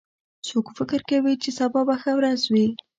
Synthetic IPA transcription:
sokfɪkɪɾkawit͡ʃesabɑbaxəwɾazwi

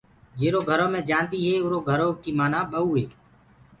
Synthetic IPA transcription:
d͡ʒeːɾoːɡʱəɾõːmẽːd͡ʒaːnt̪iːɦeːʊɾoːɡʱəɾoːkiːmaːnãːɓəuːɦeː

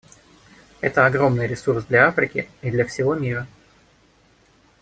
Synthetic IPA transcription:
ɛt̪əɐɡɾo̞mnɨjɾʲɪsursd̪lʲɐafɾʲɪkʲɪid̪lʲɐfsʲɪvo̞mʲiɾə

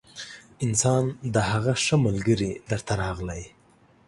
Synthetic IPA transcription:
ɪnsɑnd̪əɦaɣaʂəmalɡəɾid̪əɾt̪ʰaɾɑɣlaj

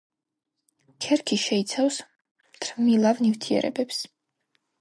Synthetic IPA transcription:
kʰɛɾkʰiʃɛit̪sʰavs | mt̪ʰɾmilˠavnivt̪ʰiɛ̰ɾɛ̰bɛps

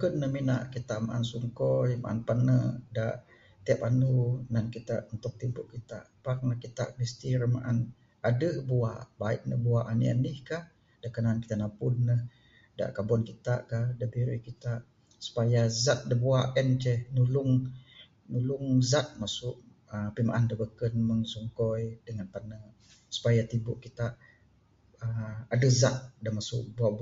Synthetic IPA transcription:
kənːəhmina̰ʔkit̪aʔma̰ʔansuŋkɔjma̰ʔanpanədaʔ | t̪iapanunankit̪a̰ʔunt̪ʊk̚t̪impʊʔkit̪a̰ʔpak̚nahkit̪a̰ʔmist̪iɾma̰ʔan | adəhbuabaiʔ̪̚nəbuaʔanḭa̰nihkah | dakənanki̥t̪aʔnapʊnːəh | da̰ʔkabɔnkit̪a̰ʔkahdəbiɾihkit̪aʔ | su̥pajazat̪̚dəbuaʔʔɛnt͡ʃɛhnulʊŋ | nulʊŋzat̪̚masʊʔ | əpima̰ʔandəbəkənməŋsɔŋkɔjdəŋanp̪anə | su̥pajat̪ibʊ̰ʔkːit̪aʔ | əadəzat̪̚damasʊ̰ʔbuaʔb

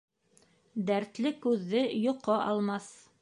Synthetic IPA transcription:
d̪æɾt̪lɘkʉðːɘjŏqːɤʔɑlˠmɑθ

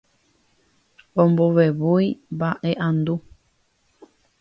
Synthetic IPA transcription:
omboβeβuibaʔeʔãnd̪u

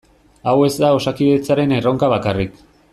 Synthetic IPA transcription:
awe̞zd̪ao̞sakiðet͡saɾe̞nero̞ŋkaβakarik

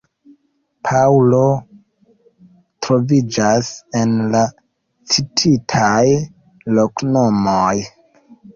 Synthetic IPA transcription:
pʰaulo̞ | tɾo̞vid͡ʒase̞nla | t͡sitʰitʰaj | loknomoj

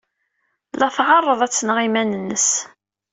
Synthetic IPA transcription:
lɑθʁɑrˤːəðˤæt͡sːnəʁimænənːəs

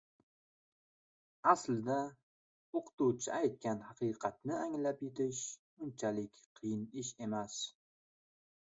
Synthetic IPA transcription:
aslɪd̪a | oqʰɨ̥t̪uwt͡ʃʰɪajt̪̚kʲanhɑqʰɨqʰɑt̪̚nɪaŋlapjɪt̪ʰɪʃ | ʊnt͡ʃʰalɪkʲqʰɨjɪnɪʃe̞mas

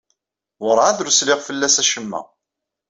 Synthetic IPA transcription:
wʊɾˤaðɾuslɪʁfəlːæsæʃəmːæ̰

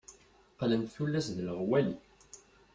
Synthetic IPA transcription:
qlənt̪θulːæsðləʁwæli

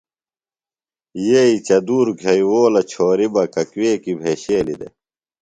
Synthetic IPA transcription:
jeːit͡ɕɐd̪uːɾɡʱɐjwoːlɐt͡ɕʰoːɾibɐkɐkweːkibʱeːɕeːlḭd̪ḛ

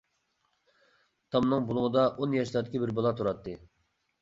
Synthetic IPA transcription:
t̪ʰɑmnɨŋbulˠʊŋəd̪ɑʔonjɛʃlˠɑɾd̪ɪkʲibɪɾbɑlˠɑt̪ʰuɾɑt̪ːɨ

